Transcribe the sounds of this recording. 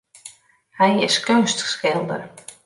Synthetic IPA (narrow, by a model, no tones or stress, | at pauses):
hɛjɪskønstskɪlˠdə̰r